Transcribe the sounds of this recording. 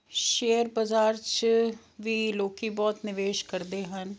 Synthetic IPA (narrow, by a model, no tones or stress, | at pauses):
ʃeːəɾbəzaːɾt͡ʃ | ʋiːloːkiːbɔːt̪nɪʋeːʃkəɾd̪eːɦən